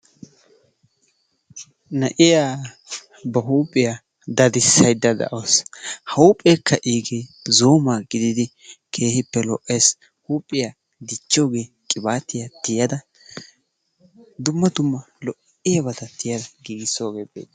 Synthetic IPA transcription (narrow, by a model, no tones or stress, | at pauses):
nɐʔɪjaː | bɐɦuːpʼːɪja | d̪ɐd̪ɪsːɐjd̪ɐd̪ɐ̰ʔoːshɐʊpʼːeːkʰːɐʔiːɡeː | zo̞ːmaːɡɪd̪ɪd̪ɪ | kʰe̞ːhɪpːɛlɔʔːeːs | huːpʼːɪja | d̪ɪt͡ʃːo̞ːɡe̞ː | kʼɪbaːt̪ːɪjɐt̪ɪjɐd̪ɐ | d̪ʊmːɐd̪ʊmːɐ | lɔʔ | ɪjɐbɐd̪ɐt̪ʰɪjɐd̪ɐɡiːɡɪso̞ːɡeːbeːd̪ɐ